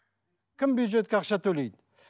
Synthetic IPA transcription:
kʲʰɪmbjud̪ʒe̞t̪̚kʲeɑqʃɑt̪ʰɵlejd̪

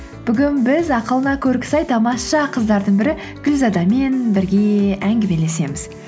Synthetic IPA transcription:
b̥ʏɡʲɪnbɪzɑqəlˠənɑkʲʰɵɾkʲɪ̥sɑjt̪ʰɑmɑsʃɑqʰəzd̪ɑɾd̪əɴbɪɾɪ | ɡ̥ʲʏlzɑd̪ɑme̞nbɪɾɡʲe̞æŋɡʲɪme̞le̞se̞mɪz̥

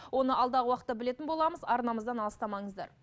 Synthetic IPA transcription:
wo̞nəʔɑlˠd̪ɑʁəwɑqət̪ːɑbɪle̞t̪ɪnbo̞lˠɑməzɑɾnɑməzd̪ɑnɑlˠəst̪ɑmɑɴəzd̪ɑ̰ɾ

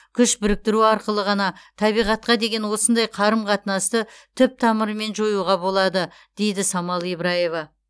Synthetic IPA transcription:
kʲʰʏʃbʏɾɪk̚t̪ɪɾuɑɾqəlˠəʁɑnɑt̪ʰɑbijʁɑt̪̚qɑd̪e̞ɡʲe̞nwo̞sənd̪ɑjqʰɑɾəmqʰɑt̪ənɑst̪ət̪ʰʏp̚t̪ʰɑməɾme̞nʒo̞juʁɑbo̞lˠɑd̪ə | d̪̥e̞jd̪ɪsɑmɑlˠejbɾɑje̞vɑ

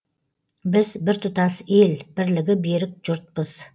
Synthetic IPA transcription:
bɪzbɪɾt̪ʰʊt̪ɑselb̥ɪɾlɪɡʲɪbe̞ɾɪk̚ʒ̥ʊɾt̪̚pəz̥

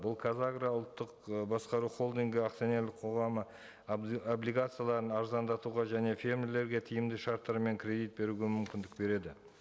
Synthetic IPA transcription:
bʊlˠkʰazaɡraʊlˠt̪ːəqbɑsqɑɾuχo̞lˠd̪iŋɡʲɪaqt̪sione̞ɾlɪk̚qʰo̞ʁɑmə | oblijɡat̪sɨjalˠɑɾənɑɾzɑnd̪ɑt̪uʁɑʒæne̞fʲe̞ɾmle̞ɾɡʲe̞t̪ʰɪjɪmd̪ɪʃɑɾt̪ːɑɾme̞ŋkʰʲɾʲe̞d̪it̪̚be̞ɾuɡʲe̞mʏmkʲɪnd̪ɪk̚be̞ɾe̞d̪ɪ

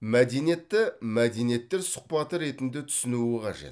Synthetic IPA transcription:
mæd̪e̞jnije̞t̪ːɪmæd̪e̞nije̞t̪ːe̞ɾsʊ̥q̚pɑt̪əɾe̞t̪ɪnd̪ɪt̪ʰʏ̥sɪnuɪqʰɑ̰ʒe̞̰t̪

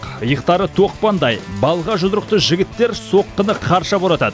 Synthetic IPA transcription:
əjəqt̪ɑɾət̪ʰo̞q̚pɑnd̪ɑjbɑlˠʁɑʒʊzd̪ɾəq̚t̪əʒɪɡʲɪt̪ːe̞ɾso̞qːənəqʰɑɾʃɑboɾˠɑt̪ɑd̪ə

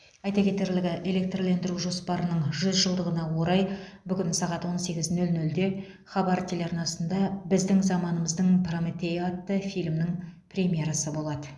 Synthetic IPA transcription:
ɑjt̪ɑkʲe̞t̪e̞ɾlɪɡʲɪʔe̞le̞k̚t̪rlend̪ɪɾuʒo̞spɑɾənəɴʒʏzʒəlˠd̪əʁənɑwo̞ɾɑjbʏkʲɪnsɑʁɑt̪wo̞nse̞ɡʲɪznɵlnɵld̪e̞ | χɑbɑɾt̪ʲʰeleɑɾnɑsənd̪ɑbɪzd̪ɪŋzɑmɑnəməzd̪əɴpromʲet̪ejat̪ːəfijlʲmnɪŋprʲemʲje̞ɾɑsəbo̞lˠɑd̪ə

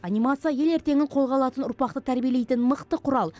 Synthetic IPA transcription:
ɑnijmat̪sijaje̞le̞ɾt̪e̞ŋʲɪɴqʰo̞lˠʁɑlˠɑt̪ənʊɾpɑq̚t̪ət̪ʰæɾbijele̞jt̪ɪnməqt̪əqʰʊɾɑlˠ

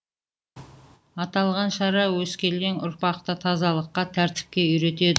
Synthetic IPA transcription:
ɑt̪ɑlˠʁɑnʃɑɾɑwɵskʲe̞lɡe̞ŋʊ̰ɾpɑq̚t̪ət̪ʰɑzɑlˠəqːɑt̪ʰæɾt̪ɪ̥p̚kʲe̞ʏjɾe̞t̪e̞d̪ɪ

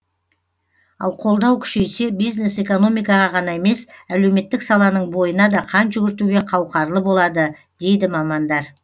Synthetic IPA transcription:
ɑ̰lˠqʰo̞lˠd̪ɑwkʲʰʏ̥ʃe̞se̞bijzne̞se̞ko̞no̞mijkɑʁɑʁɑnɑe̞me̞sæle̞wme̞t̪ːɪksɑlˠɑnəɴbo̞jənɑd̪ɑqʰɑnʒʏɡʲɪɾt̪uɡʲe̞qʰɑwqɑɾlˠəbo̞lˠɑd̪ə | d̪̥e̞jd̪ɪmɑmɑnd̪ɑɾ

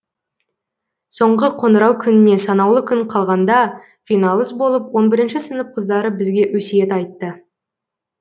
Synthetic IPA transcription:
so̞ɴʁəqʰo̞nəɾɑwkʲʰʏnɪne̞sɑnɑwlˠəkʲʰʏɴqʰɑlˠʁɑnd̪ɑ | ʒ̥ijnɑlˠəsbo̞lˠəp̚wo̞nbɪɾɪnʃɪsənəp̚qʰəzd̪ɑɾəbɪzɡʲe̞ʔwɵsejet̪ɑjt̪ːə

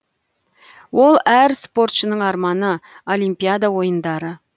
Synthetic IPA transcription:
wo̞lˠæɾspo̞rt̪ʃənəɴɑɾmɑnəolʲˠijmpʲijad̪awo̞jənd̪ɑɾə

